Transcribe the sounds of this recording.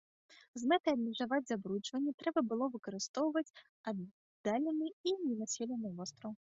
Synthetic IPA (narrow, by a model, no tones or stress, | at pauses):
zmɛt̪ɨabmʲiʐavad͡zʲzabɾut͡ʂvɐnʲːɛt̪ɾɛbɐbɨlˠɔvɨkɐɾɨst̪ɔwvɐt͡sʲ | a | d̪̥alʲɛnɨinʲɛnasʲɛlʲɛnɨvɔst̪ɾɐw